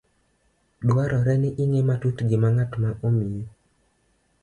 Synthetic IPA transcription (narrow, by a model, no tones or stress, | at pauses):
dwaɾɔɾɛnɪʔiŋematutɡɪmaŋatmaʔomije